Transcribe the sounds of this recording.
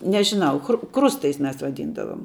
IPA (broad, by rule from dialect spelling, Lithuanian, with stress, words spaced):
nʲɛʒʲɪˈnɐʊ xrʊ ˈkrʊstɐɪs ˈmʲɛs ʋɐˈdʲiːndɐʋoːm